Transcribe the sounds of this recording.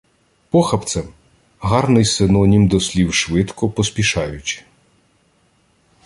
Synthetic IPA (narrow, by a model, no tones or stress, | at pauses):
pɔxɐpt̪sɛm | ɦɑrnɪjsɪnɔnʲimd̪ɔsʲlʲiwʃʋɪt̪kɔpɔspʲiʃɑjʊt͡ʃʲɪ̥